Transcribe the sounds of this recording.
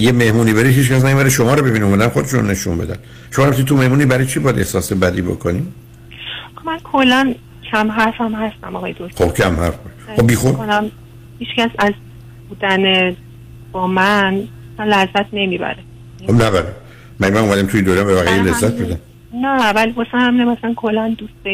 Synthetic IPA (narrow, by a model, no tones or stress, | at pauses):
jeme̞hmuːniːbeɾid̪hiːt͡ʃkæs̬næmibæɾeʃomɒːɾɔbebiniumæd̪ænxo̞d̪eʃun̰ne̞ʃṵnbe̞d̪æn | ʃomɒɾæmist̪it̪umehmuːniːbæɾɒjt͡ʃʰibɒjæd̪e̞hsɒːsebæd̪iːbo̰kʰoni | mænkʰolːæn | cʰæmɦæɾfæmɦæst̪æ̰mɒɣɒːjed̪oχobkʰæmhæɾfboʃob̚biːxoonæm | hiːt͡ʃcæsæz | buːd̪æne | b̥ɒːmæn | sænlæzæt̪ʰne̞mibæ̰ɾe | xobnæbæɾe | mæɟmænumæd̪æmt̪ʰujed̪ojæmbevæɣijelezːæt̪̚ʰbed̪æm | nævælibosænhæminæmasælænkʰolːænd̪us